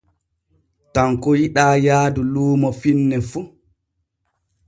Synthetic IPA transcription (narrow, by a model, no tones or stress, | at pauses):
taŋkɔjiɗaːjaːduluːmɔfinːɛfu